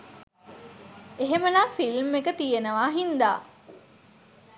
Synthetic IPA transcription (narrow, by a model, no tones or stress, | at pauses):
eɦemənaːfilmːekət̪ijenəʋaːɦind̪a̰ː